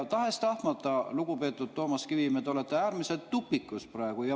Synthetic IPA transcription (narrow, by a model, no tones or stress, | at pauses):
t̪ɑɦe̞st̪ɑht̪mɑt̪ːˑɑluɡupe̞ːt̪ːˑud̪̥̚t̪ːo̞ːmɑskivimet̪o̞le̞t̪ːˑeæːɾmise̞lt̪ːupːikːˑusprɑeɡ̥ujɑ